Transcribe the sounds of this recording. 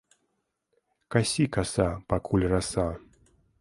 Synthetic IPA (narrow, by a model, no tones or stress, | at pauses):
kasʲikasapakʰulʲrasa